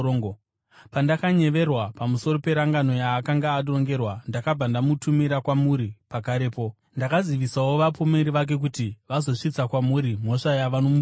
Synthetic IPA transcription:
ŋ | pandakaɲe̞ʋe̞rwapamuso̞ɾo̞pe̞ɾaŋɡano̞jaːkaŋɡaːɗo̞ŋɡe̞rwandakab͡vandamutumiɾakwamuɾipakaɾe̞ːpo̞ | ndakaziʋisawo̞ʋapomeɾiʋak̬e̞k̬utiʋazo̞ʂit͡sakwamuɾim̤o̞ʂajaʋanomu

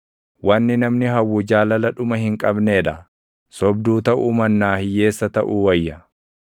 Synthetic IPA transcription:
wɐnːɪnɐmnɪɦɐwːʊd͡ʒaːlɐlɐᶑʊmɐhɪŋkʼɐbneːᶑɐ | sɔb̚d̪uːt̪ɐʔuːmɐnːaːhɪjːe̞ːsːɐt̪ɐ̰ʔuːwɐjːɐ

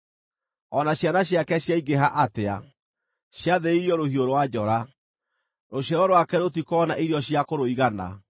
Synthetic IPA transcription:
ɔnaɕjanaɕjakɛɕjaiɡeɦaʔatea̰ | ɕjaðeiɾiɔɾohioɾowad͡ʑɔɾa | ɾoɕaɾɔɾowakɛɾotikɔɔnaʔiɾiɔɕjakoɾoiɣana̰

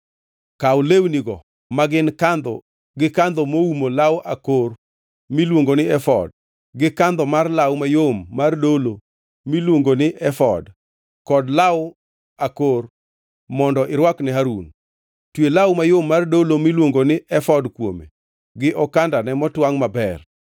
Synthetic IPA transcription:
kaʊlewniɡɔ̰ | maɡɪnkand̪ɔ̰ | ɡɪkand̪ɔmoumolawʔakor | milwoŋɡonɪɛfɔ̰d̚ | ɡɪkand̪ɔmarlawmajomːardolo | milwoŋɡonɪʔɛfɔ̰d | kɔdlaʊ | akor | mɔndɔʔɪɾwaknɪɦaɾun | twelawmajomːardolomilwoŋɡonɪʔɛfɔdkwo̰mḛ | ɡɪʔɔkandanɛmɔtwaŋmabɛr

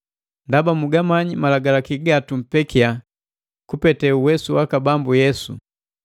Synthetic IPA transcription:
ndabamuɡamaɲimalaɡalakiɡatum̩pɛkia | kupɛtɛuwɛsuwakabambujɛsṵ

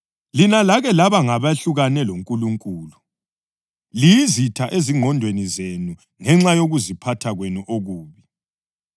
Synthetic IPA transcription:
linalaɣɛlaβaŋaβaɬuɣanɛloŋkʼuluŋkʼuːlu | lijizitʰaʔeziŋʱɔndʱwenizenu | ŋɛŋ͡ǁajoɣuzipʰatʰaɣwenuʔoɣuːβi

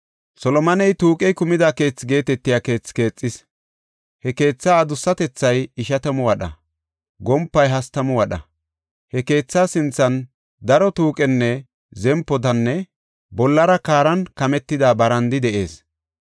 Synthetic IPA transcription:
sɔlɔmɐnɛjt̪uːkʼɛjkʊmɪd̪ake̞ːt͡sːɡe̞ːt̪ɛt̪ːɪjaːke̞ːt͡sːke̞ːt͡sʼːɪs | hɛke̞ːt͡sːaːd̪ʊsːɐt̪ɛt͡sːɐjɪʃɐt̪ɐmɔwɐɗɐ̰ | ɡɔmpːɐjɦɐst̪ɐmɔwɐɗɐ̰ | hɛke̞ːt͡sːaːsɪnt͡sːɐn | d̪ɐɾɔt̪uːkʼɛnːɛ | zɛmpːɔt̪ɐnːɛ | bɔlːɐɾɐkaːɾɐnkɐmɛt̪ːɪd̪abɐɾɐnd̪ɪd̪ɛʔe̞ːs

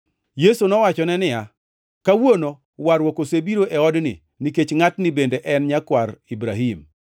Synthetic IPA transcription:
jesunɔwat͡ʃɔnɛnɪja | kawono | waɾwokosebiɾoʔɛɔdnɪ̰ | niket͡ʃŋatnɪbendeʔɛnɲakwaɾibɾaɦim

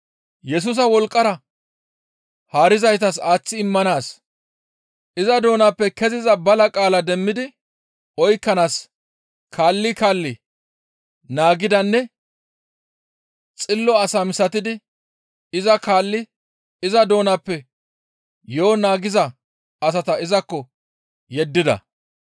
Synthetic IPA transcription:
jɛs̬ʊːs̬ɐwɔlkʼːɐɾɐ | haːɾɪzɐjt̪ɐsaːt͡sːɪɪmːɐnaːs | ʔɪzɐd̪o̞ːnapːɛkɛzɪzɐbɐlɐkʼaːlɐd̪ɛmːɪd̪ɪ | ʔɔjkːɐnaːs | kʰaːlːɪkaːlːɪ | naːɡɪd̪ɐnːɛ | t͡sʼɪlːɔɐsɐmɪsɐt̪ɪd̪ɪ | ɪzɐkaːlːɪ | ɪzɐd̪o̞ːnɐpːɛ | joːnaːɡɪzɐ | ɐs̬ɐt̪ɐɪzɐkːɔ | jɛd̪ːɪd̪ɐ̰

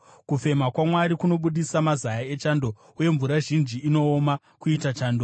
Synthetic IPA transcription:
kufe̞makwamwaɾikuno̞ɓuɗisamazajae̞t͡ʃando̞ | uje̞ɱvuɾaʒind͡ʒiːno̞ːma | kuitat͡ʃaːndo

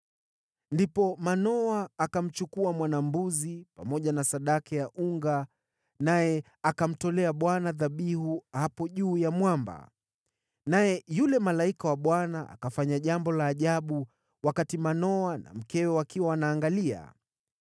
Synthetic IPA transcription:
ndipɔmanɔaːkam̩t͡ʃukuamwanambuzipamɔʄanasaɗakajaʔuŋɡa | najɛ | akam̩tɔlɛaɓwanaðaɓihuhapɔʄuːjamwamba̰ | najɛjulɛmalaikawaɓwanaʔa̰kafaɲaʄambɔlaːʄaɓu | wakatimanɔana̰m̩kɛwɛwakiwanaːŋɡalia̰

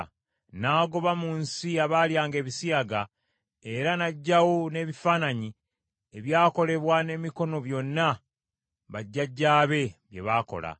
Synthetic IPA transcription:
naːɡo̞βamuːnsiaβaːljaːŋɡe̞ːβisiaɡa | e̞ɾanaɟːawo̞ne̞ːβifaːnaɲi | eβjaːko̞le̞βwane̞miko̞no̞βjo̞nːa | βaɟːaɟːaːβe̞βje̞̰βaːko̞̰la̰

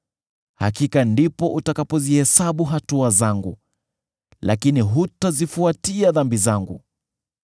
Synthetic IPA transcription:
ha̰kikandipɔʔutakapɔzihɛsaɓuɦatuazaŋɡṵ | la̰kiniɦutazifuatiaðambizaŋɡṵ

